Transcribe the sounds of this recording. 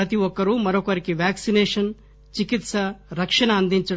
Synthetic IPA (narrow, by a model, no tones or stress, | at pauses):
ɾɐt̪iʋɔkːɐɾumɐɾokɐɾikiʋjaːksineːʂɐn | t͡ʃikit̪sɐɾɐkʂɐɳɐːnd̪ʱiɲt͡ʃɐ